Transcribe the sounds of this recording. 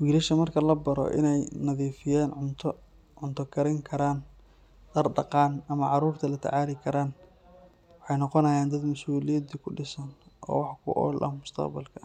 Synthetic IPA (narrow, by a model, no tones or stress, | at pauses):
wiːɾɐʃɐmɐrkʰɐlɐbɐɾɔ̰ʔɪ̰nɛjnɐðiːfɪjaːnʕʊnt̪ʰɔ | ʕʊnt̪ʰɐkʰɐɾɪŋkʰɐɾaːn | d̪̥ɐrɖɐqɑːnɐmɐʕɑɾuːrt̪ʰɐlɐt̪ʰɐ̰ʕaːlɪkʰɐɾaːn | wwɑħɑjnɔqɔnɐjaːnd̪ɐd̪mɐsuːlɪjɐd̪ikʰʊɖɪsɐnʔɔ̰ːwɑħkʰʊ̰ʔɔ̰ːlʔɐ̰mʊst̪ʰɐ̰qbɐ̰lkʰɐ